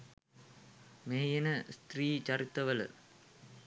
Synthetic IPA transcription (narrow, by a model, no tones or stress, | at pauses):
meːjɐnɐst̪riːt͡ʃɐɾɪt̪ːɐʋɐl̰